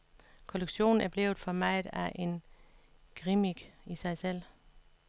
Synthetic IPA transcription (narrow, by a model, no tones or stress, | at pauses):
kʰɒluɡ̥ɕo̝̰ːn̩æɐb̥le̝ʊð̩ˠfɒ̽mɑ̈ɪð̥ˠæɐʔe̝n | ɡ̥ʰʁimiɡ̥isɑ̈ɪsel̰